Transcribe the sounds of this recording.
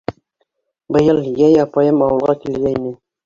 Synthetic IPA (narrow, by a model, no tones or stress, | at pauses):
bɤ̆jɤlˠjæjɑpɑjɤmɑwɤ̆lˠʁɑkilɡæinɘ